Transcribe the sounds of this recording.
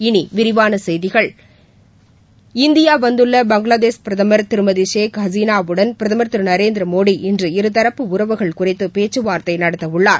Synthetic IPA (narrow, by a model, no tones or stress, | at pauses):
ɪniʋɪɾɪʋaːnɐsɛjðɪɣɐɭ | ɪnd̪ɪjaːʋɐnd̪ɯɭːɐbɐŋɡɭaːðeːspɪɾɐðɐmɐɾt̪ɪɾɯmɐðiʂeːkhɐziːnaːʋɯɽɐnpɪɾɐðɐmɐɾt̪ɪɾɯnɐɾeːnd̪ɪɾɐmoːɽiʔɪndrɯɪɾɯt̪ɐɾɐpːɯʊɾɐʋɯɣɐɭkʊrɪt̪ːɯpeːt͡ʃːɯʋaːɾt̪ɐɪnɐɽɐt̪ːɐʋɯɭːaːɾ